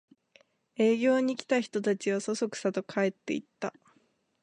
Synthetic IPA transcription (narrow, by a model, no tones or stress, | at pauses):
e̞ːɡʲo̞ːɲ̟ikʲi̥t̪açi̥t̪o̞t̪at͡ɕiβaso̞so̞kɯ̟̥sat̪o̞kʰae̞t̪ːe̞̰it̪ːa